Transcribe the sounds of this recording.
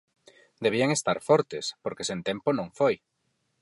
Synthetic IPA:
d̪eβ̞iaŋest̪aɾfɔɾt̪espoɾkesent̪emponõŋfoj

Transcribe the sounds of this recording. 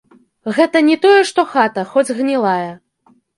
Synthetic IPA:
ɣɛt̪ɐnʲɛt̪ɔjɛʂt̪ɔxat̪ɐxɔd͡zʲɣnʲɛlˠajɐ

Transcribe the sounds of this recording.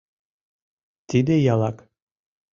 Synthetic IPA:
t̪id̪ɪjɑlˠɑk

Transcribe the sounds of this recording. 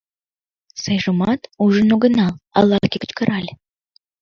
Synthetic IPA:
sejʒəmɑt̪uʒə̆nuɡə̆nɑlˠɑ̰lˠːɑkʲekə̥̆t͡ɕkəɾʔɑlʲ

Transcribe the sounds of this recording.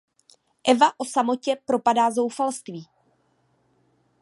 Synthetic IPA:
ʔɛvaʔo̞samo̞cɛpɾo̞padaːzo̞wfalst̪viː

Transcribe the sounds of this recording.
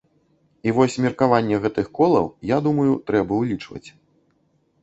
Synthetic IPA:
ivɔsʲmʲirkavanʲːɛɣɛt̪ɨxkɔlˠɐ̰wjad̪umɐjut̪ɾɛbɐulʲit͡ʂvɐ̰t͡sʲ

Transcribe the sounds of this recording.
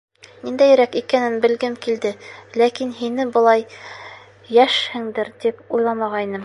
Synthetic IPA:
nind̪æjɘ̆ɾækikænɘnbɘ̆lɡɘmkild̪ɘlækinɦinɘbɤ̆lˠɑjː | æʃhɘ̆ŋd̪ɘɾd̪ipujlˠɑmɑʁɑinɘm

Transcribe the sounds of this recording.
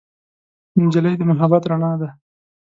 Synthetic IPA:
md͡ʒaləjd̪əmʊɦabɑt̪ɾaɳɑd̪a

